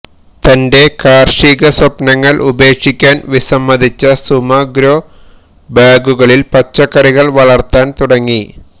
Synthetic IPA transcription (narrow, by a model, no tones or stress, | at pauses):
t̪ɐnde̞kaːrʂiːɣɐswɐpnɐŋːɐɭʔube̞ːkʂikʲːaːnʋisɐmːɐd̪ʱit͡ɕːɐsumɐɡɾoː | baːɡuɣɐɭilpɐt͡ɕːɐkːɐɾiɣɐɭʋɐɭɐrt̪aːnt̪uɽɐŋːi